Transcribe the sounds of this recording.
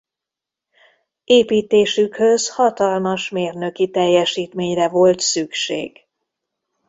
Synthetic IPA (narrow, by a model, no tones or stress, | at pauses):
eːpiːt̪eːʃykhø̞zhɒt̪ɒlmɒʃmeːrnø̞kit̪ɛjːɛʃiːt̪meːɲrɛvo̞lt̪sykʃḛːɡ̥